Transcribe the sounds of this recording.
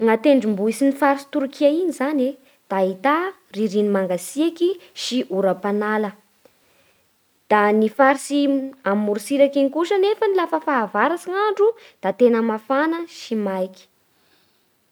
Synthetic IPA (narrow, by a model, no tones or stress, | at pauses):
ŋat̪eɳɖ͡ʐimbuisinifaɾisi̥t̪uɾkiainizane | d̪̥ait̪a | riɾinimaŋɡasiakiʃiʔuɾapanalə | d̪̥anifaɾsiamuɾusiɾakiŋikuʃənefənilafəfaːvaɾasiŋaɳɖ͡ʐud̪̥at̪enəmafanəʃimajki̥